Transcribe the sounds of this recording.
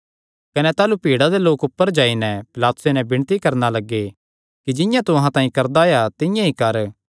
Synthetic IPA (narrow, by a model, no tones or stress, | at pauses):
kɐnɛt̪aːlupiːɽad̪eloːkʊpːəɾd͡ʒaːinɛ̃pɪlaːt̪ʊ̥senɛbɪɽ̃t̪ikɐɾnalɐɡːe | kid͡ʒɪ̃jãt̪ʊɦãt̪ãːĩkɐɾd̪ajat̪ɪ̃jãikɐɾ